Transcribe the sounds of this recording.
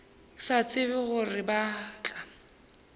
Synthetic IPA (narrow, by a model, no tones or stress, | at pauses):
sat͡sʼɪbɪɣʊrɪbaːt͡ɬʼa